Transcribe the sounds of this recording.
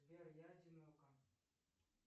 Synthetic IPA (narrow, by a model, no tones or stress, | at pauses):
beɾjad͡ʒinoka